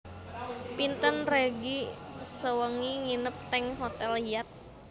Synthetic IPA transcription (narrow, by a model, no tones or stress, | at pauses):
pint̪ənreɡisəwəŋiŋinəp̚t̪ɛŋɦot̪ɛlhiat̪̚